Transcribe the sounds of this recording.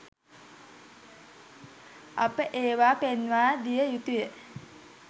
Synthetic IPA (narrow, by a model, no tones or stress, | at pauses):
apəʔeːʋaːpenʋaːd̪ijəjut̪ujə